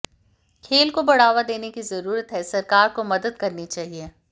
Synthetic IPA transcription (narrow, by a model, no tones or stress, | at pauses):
kʰeːlkobɐɽ̤aːʋad̪eːnekizɐɾuːɾət̪ɦɛsɐɾkaːɾkomɐd̪əd̪kɐɾnit͡ʃaːɦieː